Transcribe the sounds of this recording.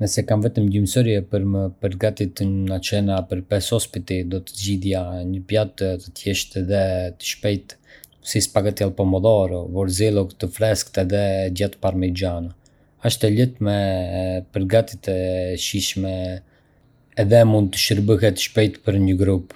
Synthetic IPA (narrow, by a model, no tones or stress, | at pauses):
nɛsɛkamvɛt̪əmɟimsɔɾjɛpəɾməpəɾɡat̪it̪ənat͡ʃɛnapəɾpɛshɔspit̪id̪ɔt̪ə̥d͡ʑiðjaɲəpjat̪t̪ət̪jɛʃt̪ɛðɛt̪ə̥ʃpɛjt̪ | sispaɡat̪jɛlˠpɔmɔðɔɾvɔɾzɛlˠɔkt̪əfɾɛskt̪ɛðɛd͡ʑat̪paɾmɛd͡ʒanə | aʃt̪ɛlət̪mɛ | pəɾɡat̪it̪ɛʃiʃmɛ | ɛðɛmund̪̚t̪ə̥ʃəɾbəɦɛt̪ə̥ʃpɛjt̪pəɾɲəɡɾup